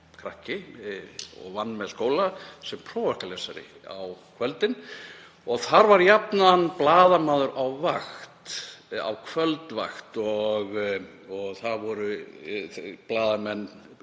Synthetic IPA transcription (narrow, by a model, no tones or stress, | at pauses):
kʰɾahcɪ | ɔ̰ɣvanːmɛðskoːwlasɛmpʰɾɔːvahkalɛsaɾɪ̰ | a̰wkʰvœlt̪ɪn | ɔɣθaɾvaɾjapnaanːplaːðamaːðʏɾawvaxt̪a̰wkʰvœlt̪va̰xt̪ɔɣ | ɔɣθaðvɔɾʏ | plaːðamɛnː